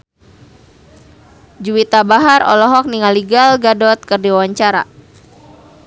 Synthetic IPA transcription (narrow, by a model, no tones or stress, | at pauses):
d͡ʒuwit̪abaɦarɔ̰lɔɦɔk̚niŋaliɡalɡadɔt̪̚kɨrdiawaɲt͡ʃaɾa̰